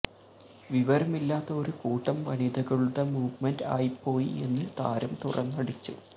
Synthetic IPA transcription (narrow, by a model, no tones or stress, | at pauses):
ʋiʋɐɾɐmilːaːt̪ːɐo̞ɾukuːʈːɐmʋɐnid̪ɐɣɐɭuɽemuːʋmenda̰ːjipːo̞ːjie̞̰nːɨt̪a̰ːɾɐmt̪urɐ̰nːɐɽit͡ɕːṵ